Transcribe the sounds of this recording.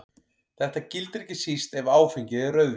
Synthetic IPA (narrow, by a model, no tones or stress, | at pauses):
θɛht̪acɪlt̪ɾɛcɪsist̪ɛvaːwfiɲcɪðɛrœɥðv